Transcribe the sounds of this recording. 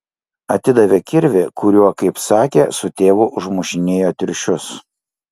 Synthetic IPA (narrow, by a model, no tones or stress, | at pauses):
ɐt̪ʲɪd̪ɐʋʲeːkʲɪɾʲʋʲɪkʊɾʲuɔkɐɪpsɑːkʲḛːsʊt̪ʲeːʋʊʔʊʒmʊʃʲɪnʲeːjoːt̪ʲɪɾʲʃʲʊs